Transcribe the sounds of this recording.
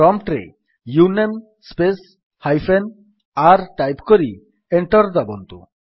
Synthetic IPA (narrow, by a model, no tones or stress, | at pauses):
ɔmʈɾḛ | junem | spes | hajfʰen | aɾʈajpkoɾi | eɳʈɔɾd̪abɔnt̪ṵ